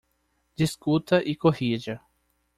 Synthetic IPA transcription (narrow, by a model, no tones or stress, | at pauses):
d͡ʒ̪iskut̪ɐʔikoɦid͡ʒɐ